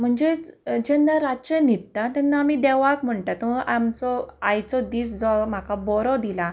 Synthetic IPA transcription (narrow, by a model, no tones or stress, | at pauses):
m̤əɳd͡zet͡sd͡ʑənd̪aɾat͡ɕənit̪ːat̪anːaːmid̪ɛʋakm̤əɳʈat̪ɔʔamt͡sɔajt͡sɔd̪iːsd͡zɔm̤akabɔɾɔd̪ila